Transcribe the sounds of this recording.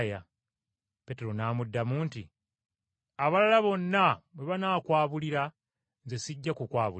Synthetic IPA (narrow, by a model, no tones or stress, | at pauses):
ja | pe̞te̞ɾo̞naːmudːamuːnti | aβalalaβo̞nːaβwe̞βanaːkwaːβuliɾa | nze̞siɟːakukwaːβu